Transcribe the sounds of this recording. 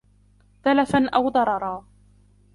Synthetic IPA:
θalafanʔawd̪ˤɑɾˤɑɾˤɑː

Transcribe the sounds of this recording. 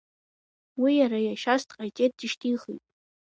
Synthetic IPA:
wijaɾajaʃastʼqʼajtʼet̚dɨʃtʰʼiχḭtʼ

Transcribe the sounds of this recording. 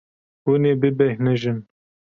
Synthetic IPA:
uneːbɨbɛhnɨʒɪn

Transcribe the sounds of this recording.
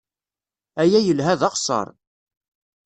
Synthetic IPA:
æjæjəlɦæðɑqsˤə̰ɾˤ

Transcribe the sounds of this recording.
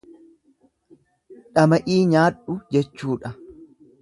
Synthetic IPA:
ᶑɐmɐʔiːɲaːᶑʊd͡ʒɛt͡ʃːuːᶑɐ

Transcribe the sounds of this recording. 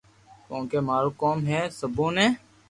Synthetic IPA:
kõːkeːmaːɾoːkoːmɦɛːsəbõːnẽː

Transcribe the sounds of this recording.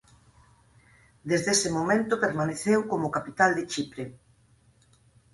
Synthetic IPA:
d̪ezðesɪmomẽnt̪ʊpeɾmaneθewkomʊkapit̪ald̪et͡ʃipɾe

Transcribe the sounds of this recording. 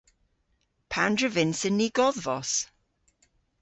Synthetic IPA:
pʰandɹəvɪnsɪnːiːɡ̥ɔðvɔs

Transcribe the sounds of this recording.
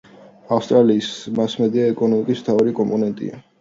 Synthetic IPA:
afst̪ʼɾaliːsmasmɛd̪iaɛkʼɔnɔmikʼismt̪ʰavaɾikʼɔmpʼɔnɛnt̪ʼḭa̰

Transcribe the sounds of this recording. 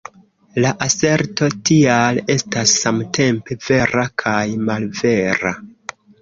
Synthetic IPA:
laʔase̞ɾto̞tiale̞stasːamte̞mpe̞ve̞ɾakʰajmalve̞ɾa̰

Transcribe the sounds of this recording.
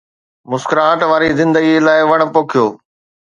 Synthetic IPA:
mʊskɾaːʈʋaːɾizɪ̃nd̪əɡilaːɪʋɐɽ̃̆poːkʰijoː

